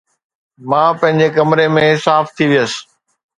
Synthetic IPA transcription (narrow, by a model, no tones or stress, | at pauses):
mãːpɐ̃ɦɪ̃ɲd͡ʑekɐmɾemẽsaːft̪ʰiʋijəsɪ̥